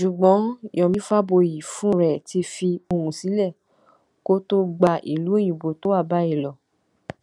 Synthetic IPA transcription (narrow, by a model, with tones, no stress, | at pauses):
ʃu˨ɡ͡bɔ̃˨˦jɔ̃˨mĩ˦fa˦bo˧ji˨fũ˦˨ɾɛ˨ti˧fi˧o˧ɾũ˨si˨˦lɛ˦˨ | ko˦to˦ɡ͡ba˧ʔḭ˨lu˨˦e˦˨j̃ĩ˨bo˨to˨˦wa˦˨ba˦i˦˨lɔ˨